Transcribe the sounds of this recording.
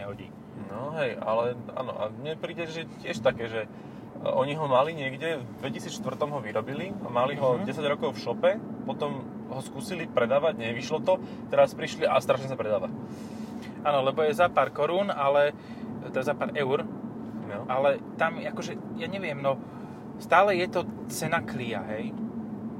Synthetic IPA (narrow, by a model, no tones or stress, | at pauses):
ɲɛɦɔɟḭː | nɔɦɛjʔa̰lɛa̰ːnɔ̰ʔa̰mɲɛpɾiːɟɛʒɛcɪɛʃt̪akɛːʒɛ | ɔɲiɦɔmaliɲɪɛɡɟɛvd̪ʋɛcisiːt͡sʃt̪vr̩t̪ɔmɦɔʋiɾɔbiliamaliɦɔɟɛsaɟɾɔkɔʊfʃɔpɛpɔt̪ɔm | ɦɔskuːsilipɾɛd̪aːʋaɟɲɛʋiʃlɔt̪ɔ | t̪ɛɾaspɾiʃliʔa̰st̪ɾaːʃɲɛsapɾɛd̪aːʋa | aːnɔlɛbɔjɛzapaːɾkɔɾuːnalɛ | t̪ɛazapaːɾʔɛʊɾ | ʔalɛt̪amakɔʒɛjaːɲɛʋɪɛmnɔ | st̪aːlɛjɛt̪ɔt͡sɛnaklia̰ɦɛj